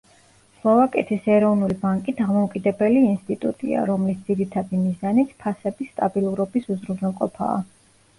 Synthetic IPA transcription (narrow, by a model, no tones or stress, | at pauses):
slˠɔvakʼɛt̪ʰisɛɾɔvnulibaŋkʼid̪amɔukʼid̪ɛbɛliːnst̪ʼit̪ʼut̪ʼḭa̰ɾɔmlisd̪z̥iɾit̪ʰad̪imizanit̪ʰpʰasɛbist̪ʼabilˠuɾɔbisuzɾunɛlˠqʼɔpʰa̰ː